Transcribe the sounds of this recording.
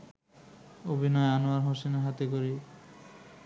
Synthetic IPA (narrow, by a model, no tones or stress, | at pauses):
obʱinɔeanoaɾɦoseneɦat̪ekoɾi